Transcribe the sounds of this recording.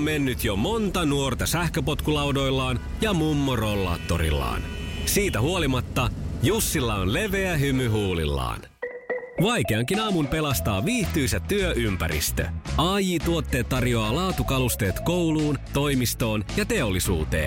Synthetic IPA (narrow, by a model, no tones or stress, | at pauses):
mme̞nːyt̪jomo̞nt̪ɑnuo̞rt̪ɑsæhkøpo̞t̪kulɑwdo̞jlːɑːnjɑmumːoro̞lːɑ̰ːt̪ːo̰ɾḭlːɑ̰ːnsiːt̪æhuo̞limɑt̪ːɑjusːilːɑonle̞ʋeæɦymyɦuːlḭlːɑ̰ːn | ʋɑjke̞ɑŋkinɑːmumpe̞lɑst̪ɑːʋiːht̪yjsæt̪ːyøʔympæ̰ɾḭst̪ø̰ɑːjiːt̪uot̪ːe̞ːt̪ːɑrjoɑːlɑːt̪ukɑlust̪e̞ːt̪ko̞wluːnt̪o̞jmist̪o̞ːnjɑt̪e̞olːisṵːt̪e̞̰ːn